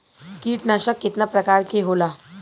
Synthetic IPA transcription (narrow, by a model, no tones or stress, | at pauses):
kiːʈnaɕəkːit̪napɾəkaɾkeɦola